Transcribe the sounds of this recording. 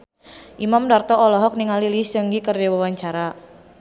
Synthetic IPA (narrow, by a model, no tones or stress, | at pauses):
ʔimamdart̪ɔʔɔlɔɦɔk̚niŋalilisəŋɡikərdawawaɲt͡ʃaɾa